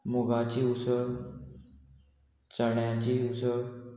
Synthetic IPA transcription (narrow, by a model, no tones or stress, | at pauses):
muɡat͡ɕiːusəɭ | t͡saɳjat͡ɕiusə